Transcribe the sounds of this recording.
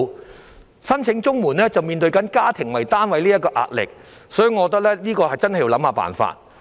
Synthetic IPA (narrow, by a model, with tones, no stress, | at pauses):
sɐ˥nt͡sʰɪ˨˥ŋt͡sʊ˥ŋmuː˨˩nlɛː˥t͡sɐ˨wmiː˨nt̪̬ɵ˧ɥkɐ˨˥nkaː˥t̪ʰɪ˨˩ŋwɐ˨˩jt̪aː˥nwɐ˨˧jliː˥jɐ˥t̚kɔː˧ʔa̰ː˧t̚lɪ̰˨k̚ | sɔː˨˥jy˨˧ŋɔː˨˧ɔ˧t̪̬ɐ˥k̚lɛː˥liː˥kɔː˧hɐ˨jt͡sɐ˥nhɐ˨ji˧wlɐ˨˥mhaː˧pa̰ː˨˩nfa̰ː˧t̚